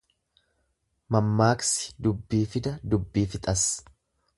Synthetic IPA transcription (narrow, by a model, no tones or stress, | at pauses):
mɐmːaːksɪ̥d̪ʊbːiːfɪd̪ɐd̪ʊbːiːfɪt̪ʼɐs